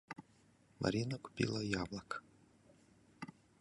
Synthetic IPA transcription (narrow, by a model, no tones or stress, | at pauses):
mɐ̰ɾʲinɐku̥pʲḭlˠɐjablˠɐk